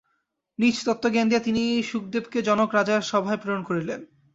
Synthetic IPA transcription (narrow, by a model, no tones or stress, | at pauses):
nit͡ɕt̪ot̪ːoɡɛnd̪iat̪iniʃuk̚d̪ebked͡ʑɔnokɾad͡ʑaʃɔbʱaepɾoɾonkoɾilen